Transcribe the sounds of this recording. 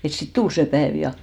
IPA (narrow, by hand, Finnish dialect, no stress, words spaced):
et sit tul se pæeˑʋ jɑ